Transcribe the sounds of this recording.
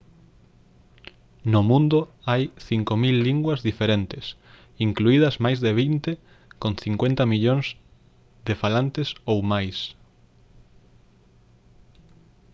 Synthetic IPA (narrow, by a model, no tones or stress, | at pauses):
nomũnd̪ʊajθiŋkomilːiŋɡwɐzðifeɾent̪ɪs | iŋkluiðɐzmajzðeβ̞int̪e | kõnθiŋkwent̪ɐmiʎoŋz̥ | ðefalant̪esowmajs